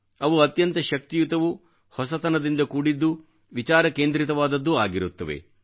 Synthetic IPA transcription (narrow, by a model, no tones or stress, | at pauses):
ɐʋuɐt̪jɐnt̪ɐʃɐk̚t̪ijut̪ɐʋu | hɔsɐt̪ɐnɐd̪ind̪ɐkuːɽid̪ːu | ʋit͡ʃaːɾɐkeːnd̪ɾit̪ɐʋaːd̪ɐd̪ːua̰ːɡiɾut̪ːɐʋḛ